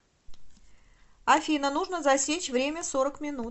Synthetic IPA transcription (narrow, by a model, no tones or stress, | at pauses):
ɐfʲinənuʐnəzɐsʲet͡ɕvɾʲemʲəso̞ɾəkmʲɪnut̪̚